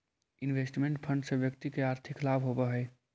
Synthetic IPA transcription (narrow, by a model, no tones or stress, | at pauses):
ɪnʋesʈmẽɳʈpʰə̃ɳɖsebjək̚t̪ikeaːɾt̪ʰiklabʱɦobəɦəɪ